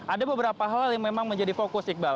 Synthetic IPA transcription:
adabəbəɾapaɦaaljaŋmemaŋməɲd͡ʒadifokʊsɪk̚bal

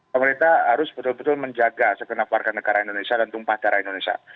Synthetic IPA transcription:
əməɾint̪aɦaɾʊsb̥ət̪ʊlbət̪ʊlməɲd͡ʒaɡasəkənakwarkanːəɡaɾaindonesiadant̪uŋpahd̥aɾaindonesia̰

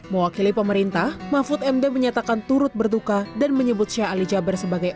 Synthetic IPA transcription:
məwakilipəməɾint̪ahmafʊt̪ɛmdɛməɲat̪akant̪uɾʊt̪̚bərdukadanməɲəbʊt̪̚ʃaalid͡ʒabərsəbaɡaj

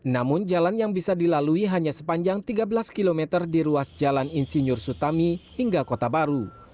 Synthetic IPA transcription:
namʊnd͡ʒalanjaŋbisadilaluiɦaɲasə̥paɲd͡ʒaŋt̪iɡabəlaskilomɛt̪ərdiɾuasd͡ʒalaninsiɲʊrsut̪amihiŋɡakot̪abaɾu

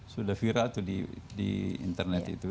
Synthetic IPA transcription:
sudahfiɾalt̪udidḭḭnt̪ərnɛt̪ḭt̪u

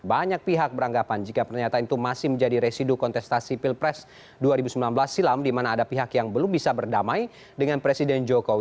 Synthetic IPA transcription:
baɲak̚piɦak̚bəɾaŋɡapand͡ʒikapərɲat̪aint̪umasɪhməɲd͡ʒadiɾesidukɔnt̪ɛst̪asipilpɾɛs | duaɾibusəmbilanbəlasːilamdimanaːdapiɦakjaŋbəlumbisabərdamaj | dəŋanpɾesidɛnd͡ʒokowi

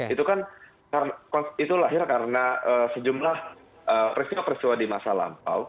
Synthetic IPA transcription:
it̪ukan | kaɾənakɔnit̪ulaɦɪrkaɾənaəsəd͡ʒumlah | əpəɾist̪iwapəɾist̪iwadimasala̰mpa̰w

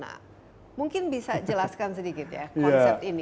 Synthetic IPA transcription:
na̰ | muŋkɪnbisad͡ʒəlaskans̬ədikɪt̪ja̰kɔansɛpt̪ini

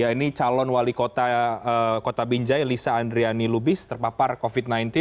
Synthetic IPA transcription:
jainit͡ʃalɔnwalikot̪aəkot̪abiɲd͡ʒajlisaːndɾianilubɪst̪ərpaparkofit̪̚najnt̪ɪ

